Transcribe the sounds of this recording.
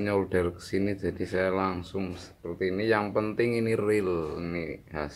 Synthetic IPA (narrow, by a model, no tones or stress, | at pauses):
ɲɔlɖ̥a̤lkə̥sinid͡ʒa̤d̥i̤sajalaŋsʊŋsə̥pərt̪iːnijaŋpənt̪ɪŋinirɪliniɦas